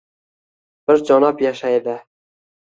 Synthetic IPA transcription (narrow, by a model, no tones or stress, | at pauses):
b̥ɪɾd͡ʒɒnɑpjaʃajd̪ɪ